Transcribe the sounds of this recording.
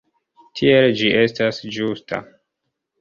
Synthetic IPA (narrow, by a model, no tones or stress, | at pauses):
tʰield͡ʒiʔe̞stasd͡ʒustʰa̰